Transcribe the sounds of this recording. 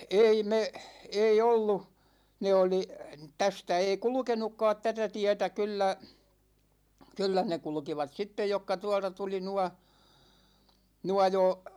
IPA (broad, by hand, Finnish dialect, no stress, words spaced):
ei me ei olːu ne oli tæstæ ei kulŭkenukːɑːt tætæ tiɛtæ kylːæ kylːæ ne kulŭkiʋɑt sitːej jokːɑ tuɒltɑ tuli nuɑ nuɑ jo